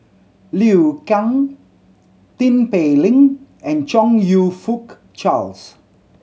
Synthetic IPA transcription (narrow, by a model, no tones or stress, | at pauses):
liwkãŋ | t̪ĩnpelĩŋɛ̃nt͡ʃɔ̃ŋjufuk | t͡ʃals